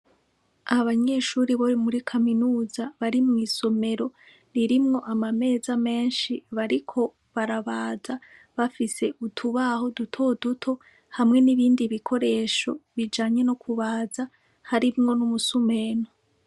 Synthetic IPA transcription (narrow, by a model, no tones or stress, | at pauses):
ahaβaɲe̞ːʃuːɾiβoɾimuɾikʰaminuːzaβaɾimŋiːso̞me̞ɾo̞ | niɾimŋo̞ʔamame̞ːzame̞ːnʃiβaɾikʰo̞ | βaɾaβaːza | βafise̞ʔutʰuβaho̞dutʰodutʰo̞ | hamŋe̞niβiːndiβikʰo̞ɾe̞ːʃo̞βid͡ʒaːɲe̞no̞kʰuβaːza | haɾimŋo̞numusume̞ːno